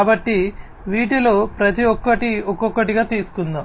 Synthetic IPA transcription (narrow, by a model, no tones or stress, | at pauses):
bɐʈːi | ʋiːʈilo̞ːpɾɐt̪iɔkːɐʈiɔkːɔkːɐʈiɡaːt̪iːsu̥kund̪ɐ